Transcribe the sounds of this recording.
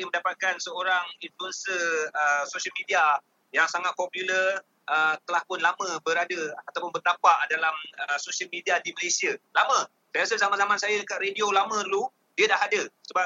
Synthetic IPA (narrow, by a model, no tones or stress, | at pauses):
əmə̃ndapat̪̚kansəoɾaŋinfluənsiəsosəlmidia | jaŋsaŋat̪̚pɔpulər | ʔət̪əlahpʊnlamə̃bəɾadəat̪awpʊnbərt̪apaʔdalaməsosiəlmidiadiməlesialamə̃ | sajɾasəzamanzamansajadəkat̪rediolamə̃dlu | diədaɦadəsəba